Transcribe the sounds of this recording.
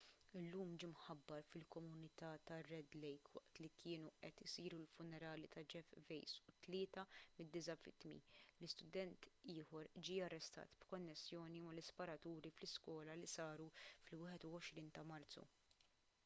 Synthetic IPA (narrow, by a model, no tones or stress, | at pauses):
ɪlːuːmd͡ʒimħɐbːɐɾfɪlkɔmʊnɪt̪ɐːt̪ɐrːɛd̪lɛjkwɐ̰ʔt̪likʰɪːnuʔɛt̪ɪsiːɾulfʊnːɛɾɐːlit̪ɐd͡ʒɛfvɛjsʊt̪lɪːt̪ɐmɪd̪ːɪsɐvɪ̰t̪mḭlɪst̪ʊd̪ɛnt̪ɪːħɔɾd͡ʒiːɐrːɛst̪ɐ̰ːt̪b̥kɔnːɛsːjɔːnimɐlɪspɐɾɐt̪uːɾiflɪskwɔːlɐlisɐːɾufɪlwɪːħɛt̪uɔʃɾiːnt̪ɐmɐɾt͡sṵ